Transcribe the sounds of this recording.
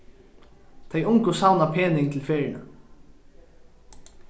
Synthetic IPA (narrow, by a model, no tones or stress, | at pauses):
t̪ʰejʊŋkʊsawnapʰeːnɪɪnt̪ʰɪlfeːɾɪna